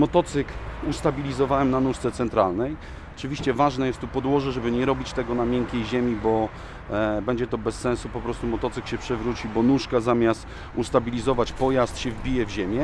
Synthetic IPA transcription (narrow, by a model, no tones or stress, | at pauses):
mɔt̪ɔt̪sɘkust̪abʲilʲizɔvawɛmnanuʂt̪sɛt̪sɛnt̪ɾalnɛj | ɔt͡ʂɘvʲiɕt͡ɕɛvaʐnajɛst̪ːupɔd̪wɔʐɛʐɛbɘɲɛɾɔbʲit͡ɕt̪ɛɡɔnamʲjɛŋkʲejʑemʲibɔ | bɛɲd͡ʑɛt̪ɔbɛsːɛ̃nsupɔpɾɔst̪umɔt̪ɔt̪sɘkɕɛpʂɛvɾut͡ɕibɔnuʂkazamʲjast̪ | ust̪abʲilʲizɔvat͡ɕpɔjast̪ɕɛvbʲijɛvʑemʲjɛ